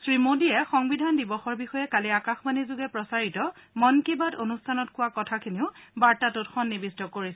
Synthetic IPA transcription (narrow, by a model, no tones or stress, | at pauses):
sɹimodiɛxɔŋbidʱandibɔxɔɹbixɔjɛkaliakaxmanizʊɡɛpɹɔsaɹitɔmɔnkibadonustʰanɔtkʊwakɔtʰakʰiniʊbaɹtatutxɔnːibistɔkoɹisɛ